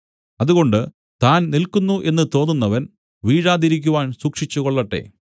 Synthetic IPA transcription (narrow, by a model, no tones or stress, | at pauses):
ɐðuɣo̞ɳɖɨ | t̪aːnnilkunːuʔe̞nːɨt̪o̞ːnːunːɐʋɐn | ʋiːɻaːðiɾikʲːuʋaːnsuːkʂit͡ɕːuɣo̞ɭːɐʈːe̞̰ː